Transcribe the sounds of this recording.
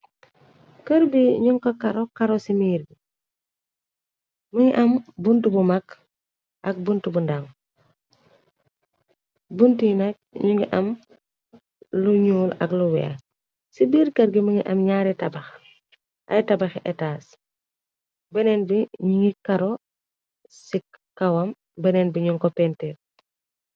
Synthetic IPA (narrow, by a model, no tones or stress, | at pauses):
kəɾbiɲuŋkɐkɐɾɔkaɾosimiːɾbi | məŋiʔɐmbuntubumak | ʔɐk̚buntubundaŋ | buntinɐk̚ɲuŋɡiʔɐm | luɲuːlɐ̰kluwɛ̰a̰ | sibiɾkɐɾɡiməŋiʔɐmɲaɾɛtɐbɐx | ʔɐ̰jitɐbɐxʔɛtaːs | bɛnɛːnbiɲuŋikɐɾɔ | sikkːɐwɐm | bɐnɛːnbiɲuŋkɔpɛntɛ